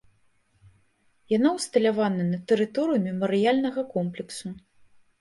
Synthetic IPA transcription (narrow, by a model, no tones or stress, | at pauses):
janawst̪ɐlʲavanɐnɐt̪ɛɾɨt̪ɔɾɨjumʲɛmɐɾɨjalʲnɐɣɐkɔmplʲɛksu